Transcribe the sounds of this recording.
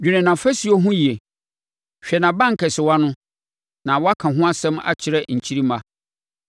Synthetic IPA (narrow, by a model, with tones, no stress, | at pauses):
d͡ʑᶣi˨nɪ̃˨nã˨fɛ˦si˨˦o˦ɦʊ̃˦ji˨e˨ | ɕᶣɛ˨nã˨bã˦ŋ̩˨kʰɛ˨sɪ˨wa˦nʊ̃˦ | nã˨wɔ˦a˦kʰã˨ɦʊ̃˦a˦sɛ̃˦ma̰˦t͡ɕʰɪ˨ɾɛ˦ɲ̩˨t͡ɕʰi˦ɾi˦mã˦